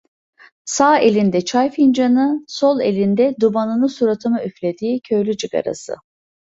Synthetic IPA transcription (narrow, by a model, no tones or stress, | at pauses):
saːe̞lʲind̪ɛt͡ʃʰajfind͡ʒanɯso̞lˠe̞lʲind̪ɛd̪ubanɯnɯsuɾat̪ʰɯmayflʲed̪iːcʰø̞jlʲyt͡ʃʰɯɡa̰ɾa̰sɯ̰